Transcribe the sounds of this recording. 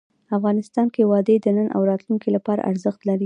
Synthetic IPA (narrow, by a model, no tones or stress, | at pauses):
afɣɑnɪst̪ɑnkewɑd̪ed̪ənənʔa̰wɾɑt̪lunkilapɑɾa̰ʔa̰ɾzəxt̪laɾi